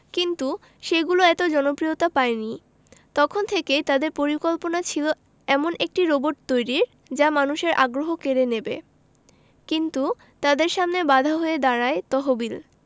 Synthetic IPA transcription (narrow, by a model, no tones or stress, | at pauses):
kint̪u | ʃeɡuloɛt̪od͡ʑɔnopɾijot̪apaeni | t̪ɔkʰont̪ʰeket̪ad̪eɾpoɾikolponat͡ɕʰilo | ɛmonʔek̚ʈiɾoboɾʈt̪ojɾiɾ | d͡ʑamanuʃeɾʔaɡɾoɦokeɾenebḛ | kint̪u | t̪ad̪eɾʃamnebad̪ʱaɦoed̪aɾaet̪ɔɦobil